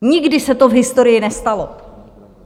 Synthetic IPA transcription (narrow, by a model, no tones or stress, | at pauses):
ɲɪɡdɪsɛt̪ovɦɪst̪o̞ɾɪjɪnɛst̪alo